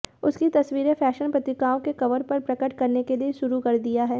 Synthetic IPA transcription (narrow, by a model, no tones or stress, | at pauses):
ʊskit̪ɐsʋiːɾefɛːʃənpɾɐt̪ɪkaːõkekɐʋəɾpɐɾpɾɐkəʈkɐɾnekelieʃʊɾukɐɾd̪ijaɦɛː